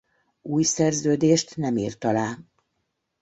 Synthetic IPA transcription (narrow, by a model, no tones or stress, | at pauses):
uːjsɛrzøːd̪eːʃt̪nɛmḭːrt̪ɒlaː